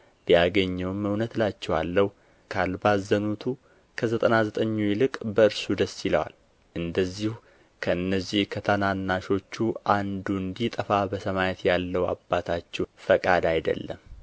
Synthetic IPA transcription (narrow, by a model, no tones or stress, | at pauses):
bijaɡəɲːɛwməwnət̪lat͡ʃːɛwa̰lːəhu | kʰalbazːənut̪ʰu | kʰəzət̪ʼənazət̪ʼəɲːujlɨkʼbəɨɾsud̪əsiləwa̰l | ʔɨnd̪əzːihu | kʰəɨnːəzːihkʰət̪ʰənanːaʃo̞t͡ʃːuʔand̪uɨnd̪it̪ʼəfabəsəmajɛt̪jalːəwa̰bːat̪ʰat͡ʃːɛfəkʼad̪ajd̪ə̰lːə̰m